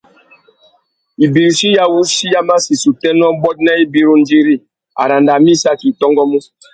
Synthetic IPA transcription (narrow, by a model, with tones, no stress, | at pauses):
i˨bi˨ɾʃi˦ja˦wu˦si˦ja˦ma˦si˨su˨tɛ˦n˦ɔ˦bɔ˦t̚na˦i˦bi˦ɾu˦n˦d͡ʒi˦ɾi˦˨ | a̰˨ɾa˨nda˨mĩ˦sa˦ki˨tɔ˦ŋɡɔ˦mu˦